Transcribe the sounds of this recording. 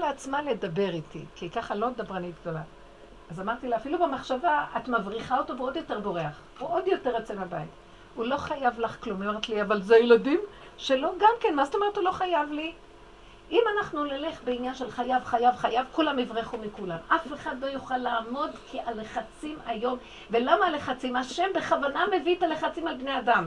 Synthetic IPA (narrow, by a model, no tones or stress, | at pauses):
leat͡smale̞dabe̞ʁitḭkikaχalo̞med̪abʁanit̪̚ɡd̪o̞la | azamaʁt̪ilaafilubemaχʃavaat̪mavʁiχao̞tobeo̞djo̞te̞ʁbo̞ʁeaχvuʔo̞djo̞te̞ʁat͡semabait | ulo̞χajavlaχklomeeʁet̪liavalzejeladim | ʃe̞lo̞ɡamke̞nmazotome̞etulo̞χajavli | imanaχnunole̞χbeinjanʃe̞lχajavχajavχajavkulamivʁiχumikulamafe̞χad̪lo̞juχalaːmo̞dkʰiʔaleχat͡simajo̞m | ve̞lamaleχat͡simaʃe̞mbeχavaname̞vitaleχat͡simalbneadam